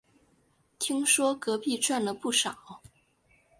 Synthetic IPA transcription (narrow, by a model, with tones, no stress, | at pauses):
t̪ʰi˥ŋʂwɔ˥kɤ˧˥pi˥˧ʈ͡ʂwa˥˩nlə˩pu˥˩ʂɑ˨˩˦ʊ